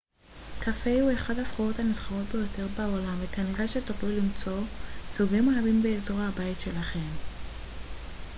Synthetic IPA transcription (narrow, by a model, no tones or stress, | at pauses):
kafe̞jhueχadhasχuʁo̞thanisχaʁo̞t̚be̞jo̞tʰeʁbaolamvekaniʁaʃetoχlulimt͡so̞suɡimohavimbeːzo̞ʁhabaitʃe̞laχe̞m